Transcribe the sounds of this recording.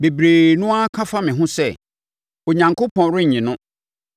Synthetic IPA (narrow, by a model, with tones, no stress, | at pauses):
be˨bɾeː˨nʊ̃˦a˦kʰã˦fa˦mɪ̃˨ɦʊ̃˦sɛ˦˨ | o˨ɲã˨ŋkʰo˦pʰɔ̃˨˦ɾɪ˦ɲ̩˨ɲĩ˨nʊ̃˦